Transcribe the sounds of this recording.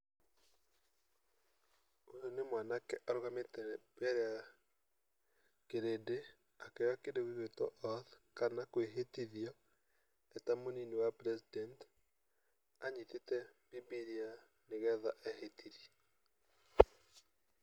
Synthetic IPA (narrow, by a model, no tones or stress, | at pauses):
ojonemwanakɛʔaɾoɣametɛbɛɾea | keɾede | akɛwakedewiɣetɔʔɔðkanakweɦetiðiɔ | ɛtamoninewapɾɛsidɛnt | aɲitetɛbibiɾia | neɣɛðaʔɛhetʰiði̥